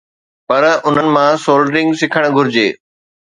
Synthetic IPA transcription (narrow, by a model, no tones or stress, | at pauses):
pɐɾʊn̤ənɪ̆mãsoːlɖɾɪ̃ŋɡsɪkʰəɽ̃̆ɡʱʊɾɪd͡ʑeː